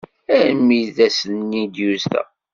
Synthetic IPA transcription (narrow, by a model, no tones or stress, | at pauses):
æɾmiðæsənːid̪juzt̪æ̰